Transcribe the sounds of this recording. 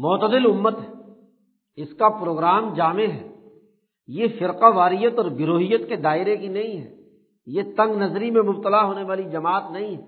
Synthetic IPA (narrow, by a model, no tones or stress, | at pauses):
mɔːt̪əd̪ɪlʊmːət̪ɦɛː | ɪskapɾoːɡɾaːmd͡ʒaːmeɦɛː | jefɪɾqaʋaːɾijət̪ɔːɾɡɪɾoːɦijət̪ked̪aːɪɾekinɐɦĩɦɛː | jet̪ɐ̃ŋɡnɐzɾimẽmʊb̚t̪əlaɦoːneʋaːlid͡ʒɐmaːt̪nɐɦĩɦɛː